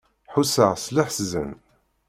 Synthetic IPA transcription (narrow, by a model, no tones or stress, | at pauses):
ħusəʁslaħszə̰n